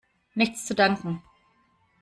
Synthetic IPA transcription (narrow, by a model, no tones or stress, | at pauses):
nɪçt͡st͡sudaŋkŋ̩